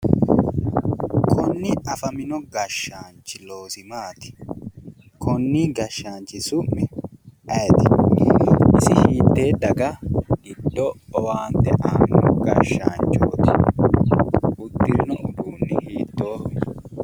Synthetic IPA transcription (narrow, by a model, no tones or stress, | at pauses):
kʰɔnːɪɐfɐmɪnɔɡɐʃːaːnt͡ʃɪloːsɪmaːt̪ɪ̥ | kʰɔnːiːɡɐʃːaːnt͡ʃɪsʊʔɛʔɐt̪ɪ̥ | ʔɪsɪhiːt̪ːe̞ːd̪ɐɡɐɡɪd̪ːɔɔwaːnt̪ɛʔaːnːɔɡɐʃːaːnt͡ʃʼoːt̪ɪ̥ | ɡʊd̪ːɪɾnɔʔʊd̪uːnːɪhiːt̪ːo̞ːʔɛ